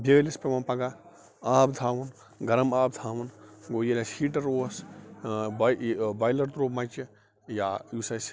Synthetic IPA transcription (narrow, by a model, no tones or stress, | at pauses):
bʱeːɡlispemɐːpɐɡa | aːbd̪ʱaːʋun | ɡɐɾɐmaːbd̪ʱaːʋɐnɡoːjɐlʲɐsiːʈɐɾoːs | bbɐjlɐʈt̪ɾoːmɐjt͡ʃi | jaːjusɐs